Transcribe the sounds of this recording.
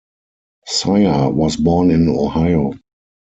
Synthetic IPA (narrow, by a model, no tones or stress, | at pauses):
saɪawɔsbɔnɪ̃nohaɪo